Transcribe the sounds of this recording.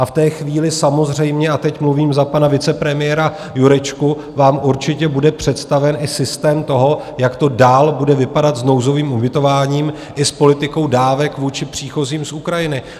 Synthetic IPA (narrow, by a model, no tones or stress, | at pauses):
ʔaft̪ɛːxviːlɪsamo̞zr̝ɛjmɲɛat̪ɛcmluviːmzapanavɪt͡sɛpɾɛmɪjɛɾa | juɾɛt͡ʃku | vaːmʔuɾt͡ʃɪcɛbudɛpr̝̥ɛt̪st̪avɛnʔɪsɪst̪ɛːmt̪o̞ɦo̞ | jakt̪o̞daːlbudɛvɪpadat̪zno̞wzo̞viːmʔubɪt̪o̞vaːɲiːm | ʔɪspo̞lɪt̪ɪko̞wdaːvɛkvuːt͡ʃɪpr̝̥iːxo̞ziːmsʔukɾajɪnɪ